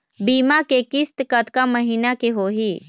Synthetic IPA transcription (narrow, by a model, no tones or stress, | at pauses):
biːmakekɪst̪kət̪kaməɦiːnakeɦoɦiː